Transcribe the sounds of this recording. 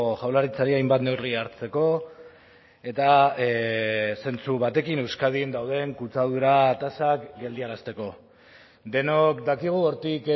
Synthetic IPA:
ʝawlaɾit͡saɾiajmbat̪ne̞wriaɾt͡se̞ko̞ | e̞t̪a | se̞nt͡suβat̪e̞kine̞wskað̞ind̪awð̞e̞ŋkut͡saðuɾat̪asakɡe̞ld̪iaɾast̪e̞ko̞ | d̪e̞nokd̪akiɣ̞uo̞ɾt̪ik

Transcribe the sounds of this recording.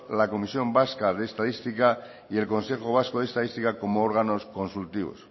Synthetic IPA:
lako̞misjo̞mbaskaðe̞ːst̪aðist̪ika | ie̞lko̞nse̞xoβ̞askoð̞est̪aðist̪ikako̞mooɾɣano̞sko̞nsult̪iβo̰s

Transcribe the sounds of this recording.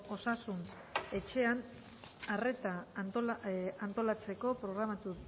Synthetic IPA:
o̞sasun | e̞t͡ʃe̞an | are̞t̪ant̪oant̪o̞lat͡se̞ko̞pɾo̞ɣɾamat̪u

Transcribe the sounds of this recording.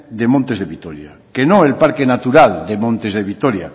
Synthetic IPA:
d̪e̞mõnt̪ezðeβit̪oɾja̰ | kenoelpaɾkenat̪uɾald̪emõnt̪ezðeβ̞it̪oɾja

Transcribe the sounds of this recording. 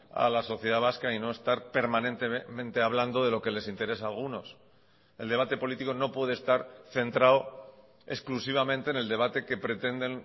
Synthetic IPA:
a̰laso̞θjeð̞aβ̞askaino̞e̞st̪aɾpe̞ɾmãnẽ̞nt̪emẽ̞nt̪e̞aβland̪o̞ð̞e̞lo̞ke̞le̞sint̪e̞ɾe̞saːlɣuno̞s | e̞ld̪e̞β̞at̪e̞po̞lit̪iko̞no̞pwe̞ð̞est̪aɾθe̞nt̪ɾao | e̞̰sklusiβ̞amẽ̞nt̪eːne̞ld̪e̞β̞at̪e̞ke̞pɾe̞t̪e̞nd̪en

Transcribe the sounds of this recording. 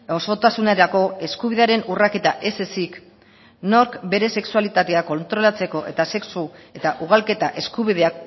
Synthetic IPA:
o̞sot̪asuneɾako̞e̞skuβiðe̞aɾe̞nurake̞t̪aʔe̞se̞sik | no̞ɾkbe̞ɾe̞se̞ksualit̪at̪e̞ako̞nt̪ɾo̞lat͡se̞ko̞ʔe̞̰t̪ase̞ksue̞t̪aʔuɣ̞alke̞t̪aʔe̞skuβ̞ið̞eak

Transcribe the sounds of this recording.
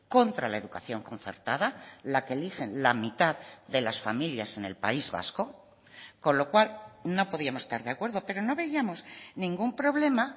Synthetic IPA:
ko̞nt̪ɾalae̞ðukaθjo̞ŋko̞n̟θe̞̰ɾt̪aðalakelixe̞nlamit̪aððe̞lasfamiljase̞ne̞̰lpa̰izβa̰sko̞ | ko̞nlo̞kwalno̞po̞ðiamosest̪aɾðeakwe̞ɾðo̞pe̞ɾo̞no̞βe̞iamo̞snĩŋɡumpɾo̞βle̞ma

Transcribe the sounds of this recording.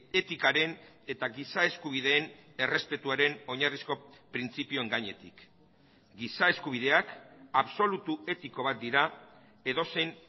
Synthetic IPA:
e̞t̪ikaɾe̞n | e̞t̪aɡisae̞skuβ̞iðe̞ːn | e̞re̞spe̞t̪uaɾe̞no̞ɲarisko̞pɾint͡sipio̞eŋɡaɲe̞t̪ik | ɡisae̞skuβ̞ið̞e̞akaβso̞lut̪ue̞t̪iko̞β̞at̪̚d̪iɾa | e̞ðo̞se̞jn

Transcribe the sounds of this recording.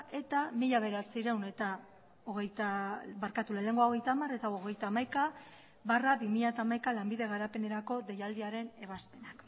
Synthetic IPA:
ʔe̞t̪amiʎaβ̞e̞ɾat͡siɾewne̞t̪a | oɣejt̪abaɾkat̪ulele̞ŋɡoao̞ɣe̞jt̪aːmare̞t̪aoɣ̞ejt̪aːmajka | βarabimiʎat̪aːmajkalambiðe̞ɣ̞aɾape̞ne̞ɾako̞d̪e̞jald̪iaɾe̞ne̞βaspe̞nak

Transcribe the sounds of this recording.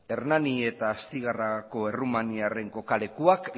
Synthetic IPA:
e̞ɾnanie̞t̪aːst̪iɣ̞arako̞e̞rumaniare̞ŋko̞kale̞kuak

